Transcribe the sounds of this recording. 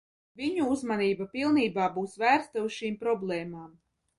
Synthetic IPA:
vʲiɲuuzmaniːbapilˠniːbaːbuːsvæːɾst̪ausʃiːmpɾɔblˠɛːmaːm

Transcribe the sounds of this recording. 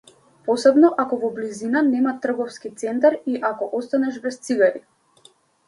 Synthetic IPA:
pɔsɛbnɔʔakɔvɔblizinanɛmat̪ːr̩ɡɔfskit̪sɛnt̪aɾiʔakɔʔɔst̪anɛʒbɛst̪siɡaɾi

